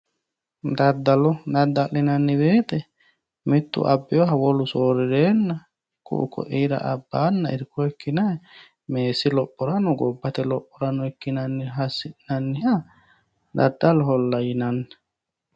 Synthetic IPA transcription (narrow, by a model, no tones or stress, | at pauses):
d̪ɐd̪ːɐlɔd̪ɐd̪ːɐlːɪnɐnːɪbe̞ːt̪ɛ | mɪt̪ːʊ̰ʔɐbːɪjɔɦɐwɔlʊsoːɾɪɾeːnːɐ | kʊ̰ʔʊ̰kɔ̰ʔiːɾɐ̰ʔɐbːaːnːɐɪ̰ɾkːɔɛkːɪnɐ | meːsɪlɔpʼːɔɾɐnɔɡɔbːɐt̪ɛlɔpʼːɔɾɐnɔɛkːɪnɐnːɪɦɐsːɪʔnɐnːɪhɐ | d̪ɐd̪ːɐlɔɦɔlːɐjɪnɐnːɪ̥